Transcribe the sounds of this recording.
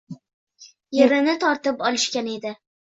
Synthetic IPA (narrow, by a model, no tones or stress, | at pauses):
jeɾɪnɪt̪ʰɒɾt̪ɪpɒlˠɪʃkʲane̞d̪ɪ